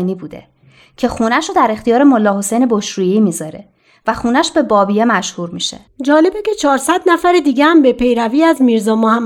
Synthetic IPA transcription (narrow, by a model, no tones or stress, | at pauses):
niːbuːd̪e̞̰ | cʰe̞xuːnæʃoːd̪æɾe̞xt̪ijɒːɾemolːɒːho̞sejne̞boʃɾuːjeiːmiːzɒɾe | væxuːnæʃbe̞bɒːbijemæʃhuːɾmiʃḛd͡ʒɒːle̞becʰe̞t͡ʃʰɒːɾsæd̪næfæɾed̪iːɡehæmbe̞pe̞jɾæviːæzmiːɾzɒːmohæmː